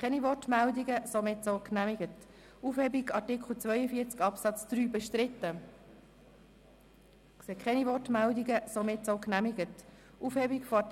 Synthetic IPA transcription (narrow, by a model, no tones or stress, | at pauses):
kʰɛnivɔtmældiɡəsomɪtsoʊknæmɪɡət | ufhɛbiɡɑɾtɪkʰl̩t͡sʋœʏəfiːɾt͡skɑpsɑt͡sd̪̥ɾyːbɛʃtɾɪt̪ːə | sekχɛnivɔrtmældiɡəsomɪtsoʊknæmiɡət | ufhɛbikfɔɑ